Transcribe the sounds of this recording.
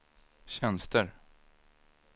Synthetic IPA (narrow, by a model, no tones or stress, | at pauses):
ɕɛnst̪əɾ